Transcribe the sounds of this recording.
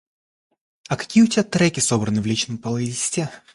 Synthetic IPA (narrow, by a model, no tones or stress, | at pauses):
ɐkɐ̥kʲijəʊtʲɪbʲat̪ɾɛkʲɪso̞bɾənɨvlʲit͡ɕnəmpəlˠɐidʲɪsʲtʲe